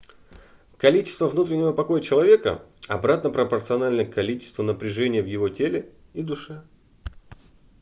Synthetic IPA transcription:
kɐlʲit͡ɕɪ̥st̪vəvnut̪ɾʲɪnʲːɪvəpɐko̞jət͡ɕɪlˠɐvʲe̞kə̰ɐ̰bɾat̪nəpɾəpərt̪sɨɐnalʲnəkɐlʲit͡ɕɪ̥st̪vənəpɾʲɪʐɛnʲɪjəvjɪvo̞tʲelʲɪ | id̪ʊʂɛ

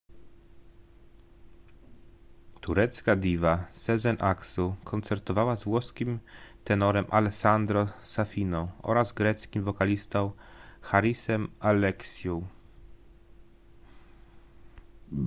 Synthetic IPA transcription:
t̪uɾɛt̪skad̪ʲivasɛzɛnʔaksukʰɔnt̪sɛɾt̪ɔvawazvwɔskʲimt̪ɛnɔɾɛmʔa̰lɛksand̪ɾɔsafʲinɔ̃w̃ɔ̰ɾazɡɾɛt̪skʲimvɔkalʲist̪ɔ̃w̃xaɾisɛmalɛksʲjɔ̃w

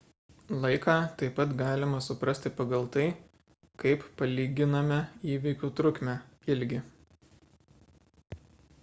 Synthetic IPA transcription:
lˠɐɪkɑːt̪ɐɪpɐt̪ɡɑːlʲɪmɐsʊpɾɐsʲt̪ʲɪpɐɡɐlˠt̪ɐɪ | kɐɪppɐlʲiːɡʲɪnɐmʲɛiːʋʲikʲuːt̪ɾʊkʲmʲæɪlʲɡʲɪ

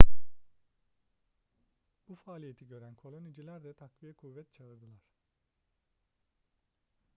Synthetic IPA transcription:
b̥ufaːlʲije̞t̪ʰiɟø̞ɾænkʰo̞lˠonid͡ʒilʲæɾd̪ɛt̪ʰakvijɛkʰuvːɛt̪̚t͡ʃʰalˠɯɾd̪ɯlˠaɾ̥

